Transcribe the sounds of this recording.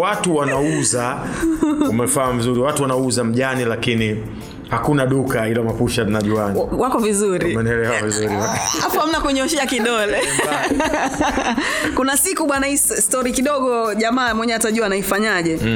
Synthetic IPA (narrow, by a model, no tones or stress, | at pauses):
watuwanauza | umɛfaːmizuɾiwatuwanauzam̩ʄanilakini | hakunaɗukahilɔmapuʃatunaʄuanwakɔvizuɾimɛnɛlɛwavizuɾiaafuham̩nakuɲɔʃɛakiɗɔlɛ | kunasikuɓwanahisstɔɾikiɗɔɠɔʄamaːmwɛɲɛataʄuanaifaɲaʄɛ